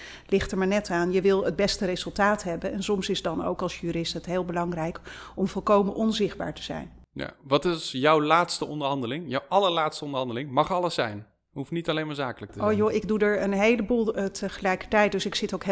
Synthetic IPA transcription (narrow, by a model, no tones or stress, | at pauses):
lɪχtəɹmaːɹnɛtaːnjəʋɪlˠətd̚bɛstərezɵlˠtaːtɦɛbənɛnsɔmsɪsdɑno̰wkɑlˠsjyːɾɪstɦətɦeːlˠbəlɑŋrɛjkɔmvɔlˠkowmənʔɔnzɪχd̚ba̰ːɹtə̥z̥ɛ̰jnja̰ʋɑtɪsjawlaːtstəɔndəɹɦɑndəlɪŋjawʔɑləɹlaːtstəɔndəɹɦɑndəlɪŋmɑχɑlˠəsɛjn | hufnitɑlejmaːɹzaːkələk̚təojoɪɡdudəɹənɦejləbuːlˠtʰəχəlɛjkə̥ɹtɛjt̚dɵsɪksɪtowkɦ